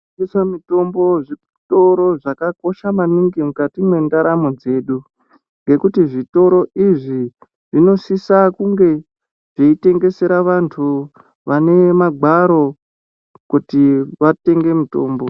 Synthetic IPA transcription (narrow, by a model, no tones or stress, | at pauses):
isamito̞mbo̞ʐi | to̞ɾo̞ʐakako̞ʃamaniŋɡimukatimwe̞ndaɾamod͡ze̞ːɗu | ŋɡe̞kutiʐito̞ɾo̞ʔiʐi | ʐino̞sisakuŋɡe̞ | ʐ̥eite̞ŋɡe̞se̞ɾaʋantʰu | ʋane̞maɡʱaɾo̞ | kutiʋate̞ŋɡe̞mito̞̰ːmbo̞